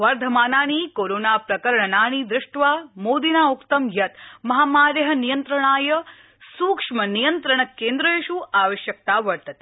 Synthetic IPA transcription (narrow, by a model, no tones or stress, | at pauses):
ʋɐɾd̪ʱɐmaːnaːɽ̃ikoːɾoːnaːpɾɐkɐɾɳɐnaːɳ̃iːd̪ɾɪʂʈʋaːmoːd̪inaːukt̪ɐmjɐt̪mɐɦaːmaːɾjɐɦɐ̆nijɐnt̪ɾɐɳaːjɐ | suːkʂmɐnijɐnt̪ɾɐɳɐkːeːnd̪ɾɐeʃuaːʋɐʃjɐk̚t̪aːʋɐɾt̪ɐt̪i̥